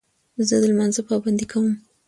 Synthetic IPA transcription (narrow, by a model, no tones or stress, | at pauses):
zəd̪əlmanzapɑband̪ikʰawəm